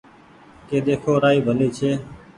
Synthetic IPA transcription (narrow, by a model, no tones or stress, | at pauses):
keːd̪eːkʰoːɾaːiːbʱəliːt͡ʃʰeː